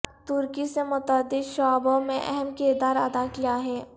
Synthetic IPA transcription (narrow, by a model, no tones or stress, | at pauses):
t̪ʊɾkisemʊt̪əd̪ɪd̪ʃɔːbõmẽʔɛ̰ɦɛmkɪɾd̪aːɾɐd̪akijaɦɛː